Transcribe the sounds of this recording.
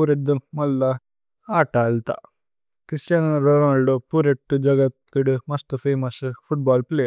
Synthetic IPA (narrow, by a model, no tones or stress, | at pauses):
uɾed̪umɐlːɐ | aːʈaːlt̪a̰ | kɾist͡ʃɐnɐɾoɾɐɐɭɖupuːɾeʈːud͡ʒɐɡɐt̪ːuɽumɐst̪upeːmɐsfʰuʈ̚baːlpleː